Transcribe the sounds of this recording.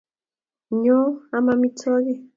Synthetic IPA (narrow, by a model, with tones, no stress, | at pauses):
ɲɔ˦a˦ma˦mi˦tɔ˦ɣi˦˨